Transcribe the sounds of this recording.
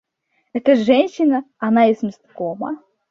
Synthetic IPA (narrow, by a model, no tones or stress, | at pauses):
ɛt̪əʐɛnʲɕːɪnə | ɐnaesmʲɪst̪komə̰